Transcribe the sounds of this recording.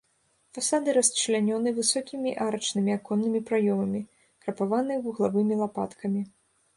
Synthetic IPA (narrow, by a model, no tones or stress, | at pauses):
fasad̪ɨɾɐst͡ʂɨlʲanʲɔnɨvɨsɔkʲimʲiʔaɾɐt͡ʂnɨmʲiakɔnːɨmʲipɾajɔmɐmʲi | kɾɐpavanɨjvuɣlˠavɨmʲilˠapa̰t̪kʰɐmʲi